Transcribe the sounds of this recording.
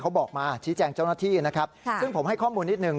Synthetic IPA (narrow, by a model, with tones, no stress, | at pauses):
kʰa˦˥wbɔː˨˩k̚maː˧t͡ɕʰiː˦˥t͡ɕɛː˧ŋt͡ɕa˥˩wnaː˥˩t̪ʰiː˥˩na˦˥kʰa˦˥p̚sɯ˥˩ŋpʰo˩˦mha˥˩jkʰɔː˥˩muː˧nːi˦˥t̪̚nɯ˨˩ŋ